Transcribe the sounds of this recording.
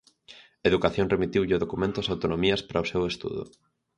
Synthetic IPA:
eðukaθjõŋremit̪iwʎɪʊðokumẽnt̪ʊasawt̪onomiɐspaɾʔaosewest̪ṵðʊ̰

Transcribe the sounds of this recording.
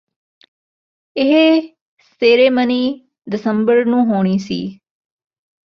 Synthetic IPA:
ɪɦ | st̪eːɾeːməniː | d̪ɪsəmbəɾnũːɦoːɽ̃iːsḭː

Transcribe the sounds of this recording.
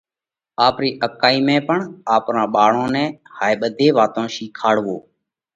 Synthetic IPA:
aːpɾiːʔəp̚kaːiːmɛ̃ːpəɳaːpɾãːɓaːɳõːnɛ̃ːhaːeɓəd̪ʱeːʋaːt̪õːʃiːkʰaːɽʋo̰ː

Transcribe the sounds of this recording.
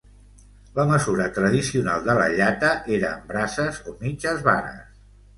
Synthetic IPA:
ləməzuɾət̪ɾəð̞isiunalˠd̪ələ̰ʎat̪əʔeɾəːmbɾasəzomid͡ʒəzβa̰nə̰s

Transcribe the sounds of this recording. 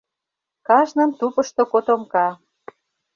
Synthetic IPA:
kɑʒnə̆nt̪upə̆ʃt̪okot̪omkɑ

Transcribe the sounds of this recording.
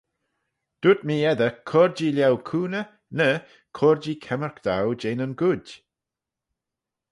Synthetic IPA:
d̪̥ud̪miːɛd̪əkʰɔɹd͡ʒiljawkʰuːnə | nə | kʰɔɹd͡ʒiːkʰɛməɹkd̪awd͡ʒenənɡʊd

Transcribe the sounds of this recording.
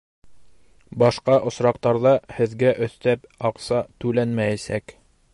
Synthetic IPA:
bɑʃqɑʔŏsɾɑq̚t̪ɑɾðɑhɘ̆ðɡæʔɵ̆θt̪æpɑqsɑt̪ʉlænmæjæsæk

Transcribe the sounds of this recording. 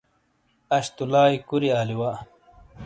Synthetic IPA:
ɐɕt̪ulaːjkuɾiaːliwa

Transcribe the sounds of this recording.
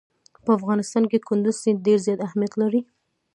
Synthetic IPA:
pəafɣɑnɪst̪ɑnkekʊnd̪ʊz̥siɖeɾzjɑt̪ahmjat̪laɾi

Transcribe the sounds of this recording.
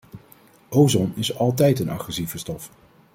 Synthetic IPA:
ʔowzɔnɪsɑlˠt̬ɛjtənɑ̰χrɛsivəstɔf

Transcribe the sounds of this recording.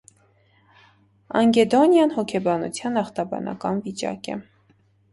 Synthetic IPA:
ɑŋɡɛd̪ɔnjɑnhɔkʰɛbɑnṵt͡sʰjɑnɑχt̪ɑbɑ̰nɑ̰kɑnvit͡ʃɑ̰kɛ̰

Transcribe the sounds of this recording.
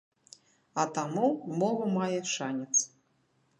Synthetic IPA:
ɐt̪amumɔvɐmajɛʂanʲɛt̪s

